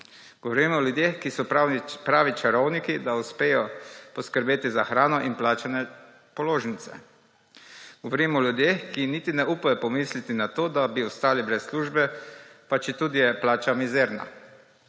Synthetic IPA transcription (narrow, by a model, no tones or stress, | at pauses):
ɡ̥ɔʋɔɾimɔljud̪jexkisɔpɾaːʋit͡ʃaɾɔwnikid̪auspeːjɔpɔskəɾbeːt̪izaxɾaːnɔʔinplaːt͡ʃanɛ | pɔloːʒnit̪sɛ̰ | ɡ̥ɔʋoɾimɔljud̪jeːxkiniːt̪inɛuːpajɔpɔmiːslit̪inat̪oːd̪abiɔst̪aːlibɾɛsːluːʒbɛpat͡ʃit̪uːd̪ijɛplaːt͡ʃamizɛːɾna̰